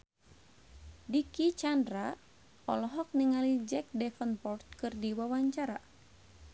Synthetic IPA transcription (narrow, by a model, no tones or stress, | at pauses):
dikit͡ʃandɾa | ɔ̰lɔɦɔk̚niŋalid͡ʒɛk̚dɛfənpɔrt̪̚kɨrdiwawaɲt͡ʃaɾa